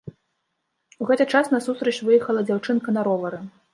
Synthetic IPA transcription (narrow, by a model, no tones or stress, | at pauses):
uɣɛt̪ɨt͡ʂasnɐsust̪ɾɐt͡ʃʲvɨjɛxɐlˠɐd͡zʲawt͡ʂɨnkɐnɐɾɔvɐɾɨ